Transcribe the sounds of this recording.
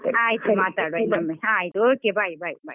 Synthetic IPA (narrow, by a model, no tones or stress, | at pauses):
aːjit̪umaːt̪aːɽʋenɐmːeɦãːjit̪uoːkebʱaːjibaːjibʱaːj